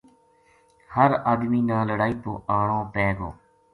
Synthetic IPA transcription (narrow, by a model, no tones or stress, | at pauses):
həɾaːd̪miːnãːləɽaːiːp̪oːʔaːɳõːpɛːɡo̰ː